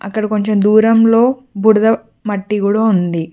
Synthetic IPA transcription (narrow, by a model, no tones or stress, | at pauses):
ɐ̰kːɐɽiko̞ɲt͡ʃe̞md̪uːɾɐmlo̞ːbuɽd̪ɐ | mɐʈːikuːɽaːund̪i